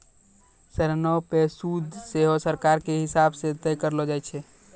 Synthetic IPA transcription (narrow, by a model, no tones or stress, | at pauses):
səɾnɔpesud̪ʱseɦosəɾkaɾkeɦisabsẽt̪əjkəɾlod͡ʒajt͡ʃʰɛ